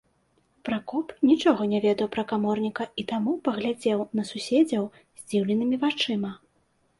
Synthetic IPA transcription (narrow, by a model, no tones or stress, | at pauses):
pɾakɔpnʲit͡ʂɔɣɔnʲɛvʲɛd̪ɐwpɾɐkamɔrnʲikɐit̪amupɐɣlʲad͡zʲɛwnɐsusʲɛd͡zʲɐw | zʲd͡zʲiwlʲɛnɨmʲivat͡ʂɨmɐ